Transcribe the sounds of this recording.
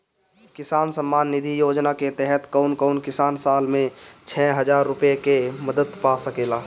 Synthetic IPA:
kɪsaːnsəmːanːid̪ʱijod͡ʒnaket̪ɛɦɛt̪kəʊnkəʊnkɪsansalmẽt͡ʃʰɛɦəd͡ʒaɾːupjekeməd̪əd̪pasəkela

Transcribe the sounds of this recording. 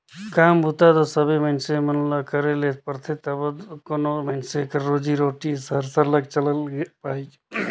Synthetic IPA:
kambʱut̪ad̪ɔsəbemənsemənlakəɾelet̪pəɾt̪ʰet̪əbəd̪konomənsekəɾɾod͡ʒiɾoʈisəɾsəɾləɡt͡ʃələlɡepai

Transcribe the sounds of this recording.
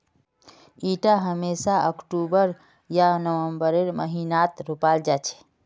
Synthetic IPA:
iʈaɦəmesaəkʈubəɾ | janəwəmbəɾeɾmə̰ɦinat̪ɾopald͡ʒat͡ʃʰɛ̥

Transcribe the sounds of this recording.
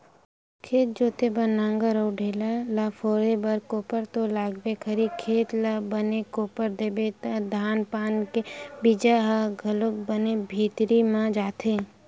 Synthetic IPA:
kʰeːt̪̚d͡ʒoːt̪ebənːãːŋɡaɾəwɖʱeːlalafʰoːɾebəɾkoːpəɾt̪olaːɡbekʰəɾikʰeːt̪labənekoːpəɾd̪eːbet̪ad̪ʱaːnpaːnkebid͡ʒaɦaɡʱəlʊk̚bənebʱiːt̪ɾimãd͡ʒaːt̪ʰeː

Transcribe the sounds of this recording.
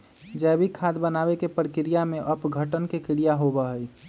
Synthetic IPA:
d͡ʒɛbʱikʰːad̪bənabekepɾəkɾijameʔəpɡʱəʈənkekɪɾijaɦobəɦəj

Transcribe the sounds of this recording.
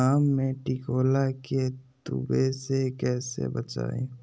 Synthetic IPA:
aːmːẽʈikoːlaket̪ṵbesekɛːsḛbət͡ʃa̰ːjṵ̃

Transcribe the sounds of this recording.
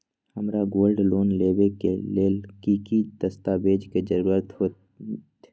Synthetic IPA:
hɐmɾaɡoːlɖloːnleːbekḛleːlkiːkid̪̥ɐst̪abeːd͡ʒked͡ʒəɾuːɾət̪ɦoː | t̪

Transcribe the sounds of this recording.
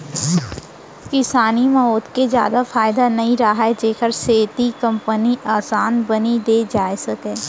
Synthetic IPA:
kɪsaːnimɐoːt̪ked͡ʒja̰ːd̪afaːɪd̪anɐɦĩɾaɦaɛd͡ʒeːkəɾseːt̪ikɐ̃mpəniʔaːsaːnbɐnid̪eːd͡ʒaːesɐkẽː

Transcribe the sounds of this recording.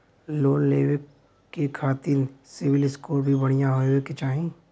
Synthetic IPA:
loːnleːwek | kːekʰaːt̪ɪnsɪʋɪlɪskoːɾbʱibɐɽ̃ijaɦoweket͡ʃaːɦĩ

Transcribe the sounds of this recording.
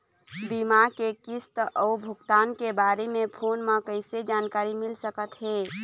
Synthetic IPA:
bimakekist̪ɔubʱʊkt̪aːnkebaɾemepʰonmãkəɪsed͡ʒankaːɾimɪlsəkət̪ɦe

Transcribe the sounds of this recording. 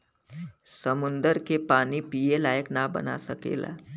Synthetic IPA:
səmund̪əɾkepanipijelajəknabə̰na̰səkḛla̰

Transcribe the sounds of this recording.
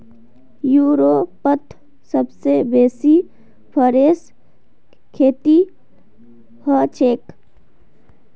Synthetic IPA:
juːɾopət̪ʰ | səbsebeːsi | pʰəɾeːs | kʰeːt̪i | hət͡ʃeːk

